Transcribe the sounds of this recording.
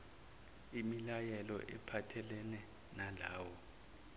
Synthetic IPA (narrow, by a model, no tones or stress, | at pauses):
imilajɛlɔ̰ʔɛpʰatʰɛlɛnɛ | nalaːwɔ